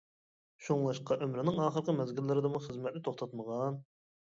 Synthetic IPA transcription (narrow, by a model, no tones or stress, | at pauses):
ʃuŋlˠɑʃqɑʔømɾɪnɪŋɑːχəɾqəmɛzɡʲɪlːɪɾɪd̪ɨmuχəzmɛt̪lnɪt̪ʰoχt̪ʰɑt̪məʁɑn